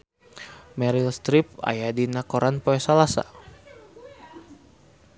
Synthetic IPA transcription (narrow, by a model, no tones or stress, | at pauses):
mɛɾilst̪ɾip̚a̰jadinakoɾʔanpɔɛsalasa̰